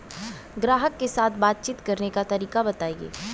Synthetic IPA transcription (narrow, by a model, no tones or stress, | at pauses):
ɡɾaːɦəkːesaːt̪ʰbaːt̪̚t͡ʃiːt̪kɐɾnekat̪ɐɾiːkabɐt̪aːiḛː